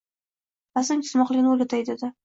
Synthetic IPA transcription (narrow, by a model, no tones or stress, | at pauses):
asɪmkʲʰɪ̥smɒqlˠɪɡʲɪnɪolʲat̪ʰajd̪ed̪ɪ